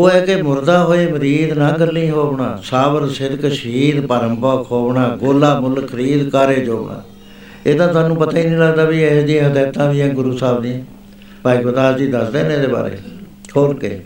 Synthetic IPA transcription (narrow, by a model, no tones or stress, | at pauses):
oːɛːkemʊɾd̪aːɦoːeːməɾiːd̪nãːɡəlːĩːɦoːbɳãːsaːbəɾsɪd̪kəʃiːd̪paːɾəmpəkʰoːbɳaːɡoːlaːmʊlkʰːəɾiːd̪kaːɾeːd͡ʒoːbɳã̰ː | eːt̪ãːt̪aːnũːpət̪aːiːnĩːləɡd̪aːbiːɛsd̪ɪjãːɦəd̪ɛːt̪ãːd̪ɪjãːɡʊɾuːsaːbd̪ɪjãː | paːiːɡot̪aːsd͡ʒiːd̪əsd̪ẽːnẽːd̪eːba̰ːɾḛː | hoːɾkḛː